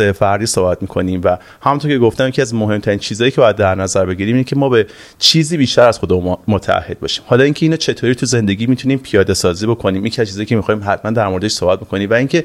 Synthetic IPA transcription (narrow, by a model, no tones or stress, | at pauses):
efæɾɾd̪iːsoːbæt̪̚miːkʰo̞niːmvæ | hæmunt̪oɾcʰe̞ɡoft̪æmjecʰiæzmoɦe̞mt̪ʰæɾint͡ʃʰiːzɒːjiːcʰe̞bɒjæd̪ːæɾnæzæɾbe̞ɟiːɾiːminecʰe̞mɒːbe | t͡ʃʰiːziːbiːʃt̪æɾæz̥xod̪emumot̪ʰææ̰hːe̞d̪bɒ̰ːʃi̥ːmhɒːlɒːiŋcʰe̞iːnɒːt͡ʃʰe̞t̪ʰoːɾiːt̪ʰuze̞nd̪e̞ɡʲiːmit̪ʰuniːmpʰijɒːd̪e̞sɒːziːbo̞kʰo̞niːmjecʰiæzt͡ʃʰizɒjikʰemixɒːhimɦæt̪ʰmænd̪æɾmo̞ɾed̪eʃsohbæt̪̚bo̞ko̞niːmvæiŋcʰe̞